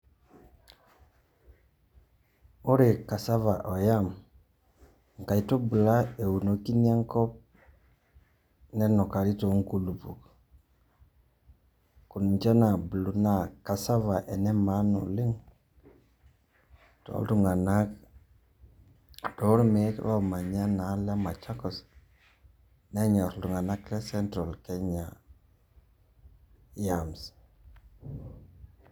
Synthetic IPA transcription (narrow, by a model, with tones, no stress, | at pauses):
o˦ɾe˨ka˨sa˦va˨ʔo˨ja˦˨m | ŋ˨ka˨i˨to˦bu˨la˦e˨wu˨no˨ki˦n˦a˦ŋko˦p̚ | ne˦no˨ka˨ɾi˦to˨˦ŋ˦ku˨lu˨pu˨k | ku˨n˨t͡ʃa˦na˨bu˨lu˨na˦˨ka˨sa˦va˨ʔe˨ne˦ma˦no̰˨li˦ŋ | to̰˨˦ldu˨ŋa˨na˦k | do˨˦ɾme˨˦kɾa˦˨ma˨ɲa˦na˨˦le˦ma˨t͡ʃa˦kɔ˨s | ne˦ɲa˨ɾtu˨ŋa˨na˦kɾe˦se˦ntɾo˨lke˦ɲa˨ | ja˨ms